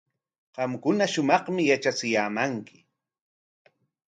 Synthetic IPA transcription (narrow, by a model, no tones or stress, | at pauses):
ɢɑmkʊnaʃʊmɑχmɪjat͡ʃat͡sɪjaːmaŋkɪ̥